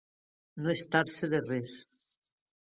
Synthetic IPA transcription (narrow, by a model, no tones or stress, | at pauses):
noest̪aɾseðeres